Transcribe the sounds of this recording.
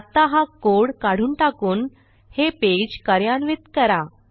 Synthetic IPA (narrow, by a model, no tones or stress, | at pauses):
t̪ːaɦãkoɽkaɽ̤uːnʈakuːn | heped͡ʑkəɾjanʋit̪kəɾa